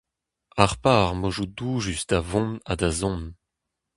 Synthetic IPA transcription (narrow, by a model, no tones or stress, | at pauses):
aʁpaːʁmoʒuduʒystavɔ̃nad̪azɔ̃n